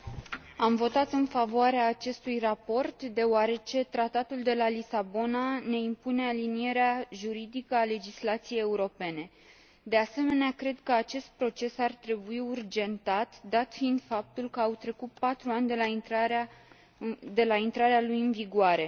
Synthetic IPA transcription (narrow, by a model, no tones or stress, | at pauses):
amvo̞t̪at̪ɨnfavoaɾeaːt͡ʃe̞st̪ujrapo̞rt̪d̪e̞oaɾe̞t͡ʃe̞t̪ɾat̪at̪uld̪e̞lalisabo̞nane̞impune̞alinije̞ɾeaʒuɾid̪ikəale̞d͡ʒislat̪sije̞je̞uɾo̞pe̞ne̞ | d̪e̞ase̞me̞neakɾe̞d̪kəat͡ʃe̞st̪̚pɾo̞t͡ʃe̞sart̪ɾe̞buiurd͡ʒe̞nt̪at̪d̪at̪fiind̪fap̚t̪ulkəawt̪ɾe̞kut̪̚pat̪ɾuanʲd̪elaa | d̪e̞laint̪ɾaɾealujɨnviɡuaɾe̞